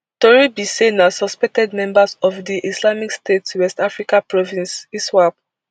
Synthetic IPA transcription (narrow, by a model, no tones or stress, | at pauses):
tɔɹibisenasɔspɛk̚tɛdmɛ̃mbasɔfdiʔislamikstetswɛstafɹikapɹɔvĩnsiswab̚